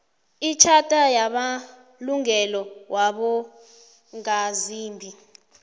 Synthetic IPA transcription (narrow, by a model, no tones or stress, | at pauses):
it͡ʃʰatʼajaɓa | luŋɛlɔwʔaɓɔ | ŋaziːmbʱi